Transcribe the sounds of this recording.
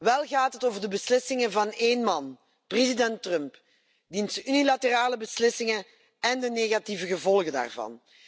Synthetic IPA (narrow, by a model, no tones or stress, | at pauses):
ʋɛlˠɣaːtɦətoːvərdəbəslɪsɪŋəvɑneːnmɑn | prezidɛntrœmp | dinsəynilatəraːləbəslɪsɪŋən | ɛndəneːɣativəɣəvɔlˠɣəda̰ːrvɑ̰n